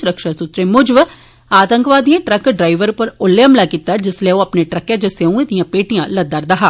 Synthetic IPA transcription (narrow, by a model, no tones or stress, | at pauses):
sʊɾəkʃaːsʊt̪ɾeːmʊd͡ʒəʋ | aːt̪əŋkʋaːd̪ijãːʈɾəkɖɾaːiʋəɾpəɾʊlːeəmlaːkiːt̪aːd͡ʒɪsleoːəpneːʈɾəkːãːd͡ʒəseũːed̪ijãːpeːʈijãːləd̪əɾd̪aɦaː